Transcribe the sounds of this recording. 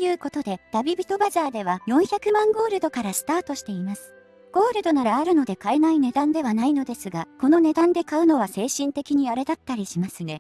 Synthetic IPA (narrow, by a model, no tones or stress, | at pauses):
jɯ̟ːko̞t̪o̞d̪e̞d̪̥abʲibʲit̪o̞bazaːd̪e̞β̞ajõ̞ɰ̃çakɯ̟mãŋɡo̞ːɾɯ̟d̪o̞kaɾasɨ̥t̪aːt̪o̞ɕi̥t̪e̞imasɨ̥ | ɡ̥o̞ːɾɯ̟d̪o̞naɾaːɾɯ̟no̞d̪e̞kae̞naine̞d̪ãnd̪e̞β̞anaino̞d̪e̞sɨɡako̞no̞ne̞d̪ãnd̪e̞kaɯ̟no̞βase̞ːɕĩnt̪e̞kʲiɲ̟ijaɾe̞d̪at̪ːaɾʲiɕimasɨne̞